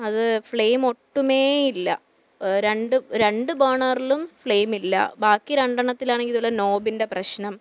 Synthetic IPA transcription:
ɐðɨfɭejmo̞ʈːume̞ːilːɐ̰ | ɾe̞ɳɖuɾe̞ɳɖɨbɐrɳɐrilumfɭeːmilːɐ̰baːkːiɾɐɳɖɐɳɐt̪ːilaːɳeŋɡiluɭːɐno̞ːbinde̞prɐɕnɐm

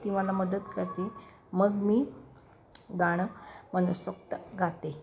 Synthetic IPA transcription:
t̪iʋalaməd̪ət̪kəɾt̪e | məɡmiː | ɡaɽ̃əmənəsəkt̪əɡʱat̪e

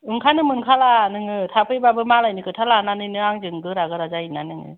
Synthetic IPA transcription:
ɯŋkʰanɯmɯŋkʰalanɯŋɯtʰapʰɯjbabɯmalajnɯkʰɯtʰalananɯnɯaŋd͡ʒɯŋɡɯɾaɡɯɾazainanɯŋɯ̰

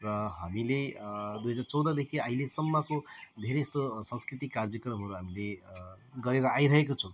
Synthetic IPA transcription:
rʌɦamiled̪ujɦʌd͡zaɾt͡sʌwd̪ʌd̪ekʰiaɦilesʌmːʌkod̪ʱeɾeːst̪osʌ̃nskrit̪ikːard͡zʌkɾʌmɦʌɾuɦamile | ɡʌɾeɾʌajɾʌɦekot͡sʰʌ̃

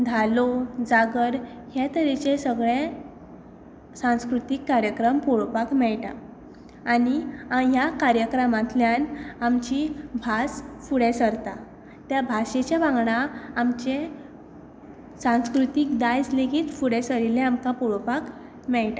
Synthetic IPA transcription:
d̪ʱalod͡zaɡəɾ | ɦjat̪əɾit͡ɕesəɡɭẽ | sãw̃skɾut̪ikːaɾjəkɾəmpɔɭpakmɛɭʈa̰ | aniajakaɾjəkɾəmãt̪ljanamt͡ɕibʱasfuɽesəɾt̪a | t̪jabʱaɕet͡ɕaʋãŋɡɳaamt͡ɕe | sãw̃skɾut̪ikd̪ajsleɡiːt̪fuɽesəɭileamkapoɭpak | mɛɭʈa

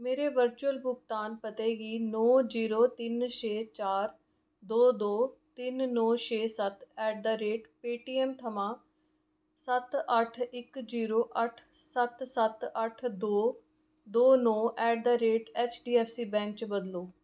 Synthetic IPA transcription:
meːɾeːʋəɾt͡ʃuəlbʊɡt̪aːnpət̪eːɡiːnɔːd͡ʒiːɾoːt̪ɪnʃeːt͡ʃaːɾ | d̪oːd̪oːt̪ɪnːɔːʃʰeːsət̪ɛːɖ̚d̪aːɾeːʈpeːʈiːɛːmt̪ʰəmãː | sət̪əʈʰɪkziːɾoːʔəʈʰ | sət̪sət̪əʈʰd̪oː | d̪oːnɔːʔɛːɖ̚d̪aːɾeːʈɛːt͡ʃɖiːɛːfʰsiːbɛ̃ːŋkt͡ʃbəd̪loː

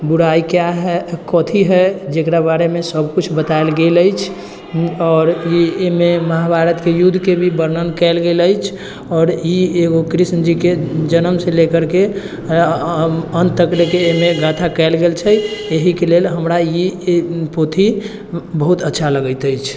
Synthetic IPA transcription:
buɽaikjaɦɛkɔt̪ʰiɦɛd͡ʒekɾabaɾemesəb̚kut͡ʃʰbət̪aelɡeləjt͡ʃʰ | ɔːɾiememəɦabʱaɾət̪kejud̪ʱːkebʱibəɾnənkɛɪlɡeləjt͡ʃʰ | ɔːɾjieɡokɾisnəd͡ʒiked͡ʒənəmselekəɾke | ənt̪əklekeːmeɡat̪ʰakɛɪlɡelt͡ʃʰɛeɦikelelɦəmɾaipot̪ʰi | bəɦut̪ətːʃʰaləɡəɪt̪əjt͡ʃʰ

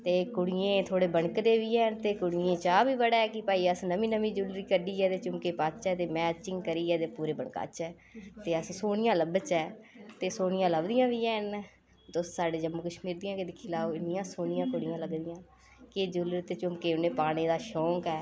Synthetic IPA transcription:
t̪eːkʊɽɪjẽːt̪ʰoːɽeːbəɳkd̪eːʋiːɛːnt̪eːkʊɽɪjẽːt͡ʃaːbiːbəɽɛːɛkɪpaːiːəsnəmĩːnəmĩːd͡ʒʊlɾiːkəɖiːɛːt̪eːt͡ʃʊmkeːpaːt͡ʃɛːt̪eːmɛ̃ːt͡ʃɪŋɡkəɾiːɛːt̪eːpuːɾeːbəɳka̰ːt͡ʃɛː | t̪eːəssoːnɪjãːləbət͡ʃɛːt̪eːsoːnɪjãːləbd̪ɪjãːʋiːɛːn | d̪ʊssaːɖeːd͡ʒəmːuːkəʃmiːɾd̪ɪjãːked̪ɪkʰːiːlaːoːɪnɪjãːsoːnɪjãːkʊɽɪjãːləɡd̪ɪjãː | kɪd͡ʒʊlɾit̪eːt͡ʃʊmkeːʊneːpaːñeːd̪aːʃɔ̃ːkɛː

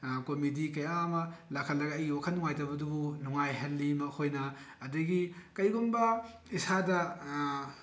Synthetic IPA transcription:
komidikɐjamɐlakʰɐlɐɡɐjiwakʰɐnːuŋajtɐwbɐdubunuŋajɦɐlːimɐhojnɐ | ɐdɐɡikɐjɡumbɐ | isadɐ

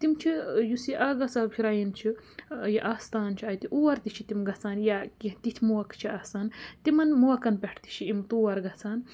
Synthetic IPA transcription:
t̪imt͡ʃʰijusiʔaːɡɐsaːwkʲʰiɾajint͡ʃʰijɐʔaːst̪aːnt͡ʃʰiaːjt̪iʔuːwɐɾt̪it͡ʃʰit̪imɡɐt͡saːnjakit̪it̪ʰmuwɐkt͡ʃʰiaːsaːnt̪imɐnmuwɐkɐnpɛʈʰt̪i̥t͡ʃʰiimt̪uːwɐɾɡɐt͡saːn

